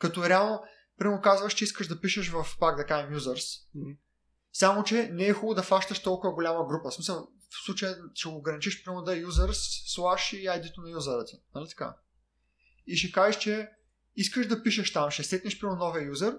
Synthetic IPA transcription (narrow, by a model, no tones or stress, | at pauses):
kɐt̪ɔɾɛalˠno | pɾʲimokazvɐʃt͡ʃɛiskəʃʒd̪ɐpiʃəʃvɐfpaɡd̪ɐkaʒɛmjuzəɾs | samot͡ʃɛnɛːɛxubəd̪ɐfaʃt̪əʃt̪ɔlˠkʊvɐɡolʲaməɡɾupəsmisəlˠ | fslˠut͡ʃəjəʃɛɡoːɡɾɐnit͡ʃiʃpɾimod̪ajuzəɾsːlˠaʃiajd̪it̪onɐjuzəɾət̪ʲi̥nɐlit̪ɐ̥ka̰ | iʃɛkaʒeʃt͡ʃɛ | iskəʃd̪ɐpiʃəʃt̪amʃɛsɛt̪nʲiʃpɾimonɔviəjuzəɾ